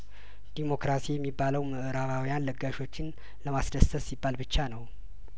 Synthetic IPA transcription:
d̪̥imo̞kɾasijɛmːibːaləwməʔɨɾaβawijanləɡːaʃo̞t͡ʃːɪn | ləmasd̪əst̪ʰəssibːalbɨt͡ʃːanəw

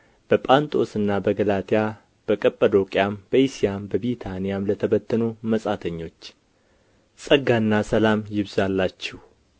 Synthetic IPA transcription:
b̥əpʼant̪ʼo̞sɨnːabəɡəlat̪ʰija | b̥əkʼəpʼːəd̪o̞kʼjambəjisijambəβit̪ʰanijamlət̪ʰəbət̪ʰːənuməsʼat̪ʰəɲːo̞t͡ʃː | sʼəɡanːasəlamjɪβzalːat͡ʃːɛh

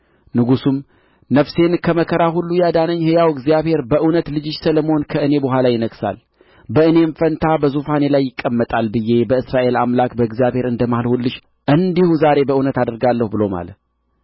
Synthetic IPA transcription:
nɨɡusum | nəfse̞nkʰəməkʰəɾaɦulːujad̪anəɲːhejawɨɡzijaβhe̞ɾbəʔɨwnət̪lɨd͡ʒɪʃsələmonkʰəɨne̞boɦʷalajɪnəɡsa̰l | bəɨne̞ɱfənt̪ʰabəzufane̞lajːɪkʼːəmːət̪ʼalbɨjːe̞bəɨsɾaʔe̞lamlakbəɨɡzijaβhe̞ɾɨnd̪əmahɨlhulːɨʃ | ʔɨnd̪ihuzaɾe̞bəʔɨwnət̪ad̪əɾɡalːəhubɨlo̞ma̰lət̪

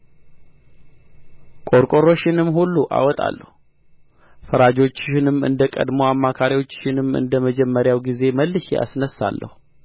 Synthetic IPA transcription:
kʼo̞ɾkʼo̞ɾo̞ʃɪnɨmːhulːuʔa̰wɔt̪ʼa̰lːəhu | fəɾad͡ʒo̞t͡ʃːɪnɨmɨ̰nd̪əkʼə̰d̪mo̞amːakʰaɾiwot͡ʃːɪnɨmɨ̰nd̪əməd͡ʒɛmːəɾjawɡize̞məlːɨʃea̰snəsːa̰lːʔə̰hu

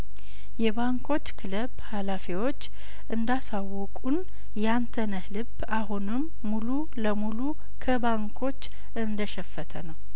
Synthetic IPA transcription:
jɛbaŋkʰo̞t͡ʃːkʰɨləbhalafiwo̞t͡ʃː | ʔɨnd̪asawːɔkʼun | jɛant̪ʰənəhlɨb | aɦunɨmːulu | ləmulu | kʰəbaŋkʰo̞t͡ʃː | ʔɨnd̪əʃɛfːət̪ʰənəw

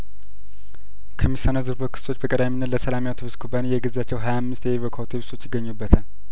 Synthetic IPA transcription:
kʰəmisanəzɨɾbokʰɨ̥so̞t͡ʃːbəkʼəd̪aminːət̪ləsəlamjawt̪ʰəβɨskʰubanijɛɡəzat͡ʃːɛwɦajamːɨst̪jɛiβokʰawt̪ʰeβist̪ʰo̞t͡ʃːjɪɡːəɲːubːət̪ʰal

